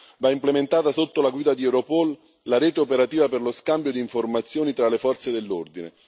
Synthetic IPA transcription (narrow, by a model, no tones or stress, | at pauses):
vaimplement̪aːt̪asot̪ːolaɡwiːd̪ad̪iɛwɾopɔl | laɾɛːt̪eopeɾat̪iːvaperloskambjod̪iːɱformat̪sːjoːnit̪ɾalefɔrt̪sed̪elːord̪inḛ